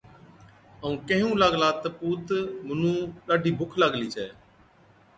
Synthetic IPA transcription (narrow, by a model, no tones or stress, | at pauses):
əũːkẽːɦũːlaːɡlaːt̪əpuːt̪mənũːɗaːɖiːbʱʊkʰlaɡliːt͡ʃɛː